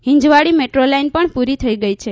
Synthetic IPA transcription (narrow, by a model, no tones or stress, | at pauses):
ɦĩɲd͡ʒʋaɽimeʈɾolainpəɳpuɾit̪ʰəiɡəjt͡ʃʰe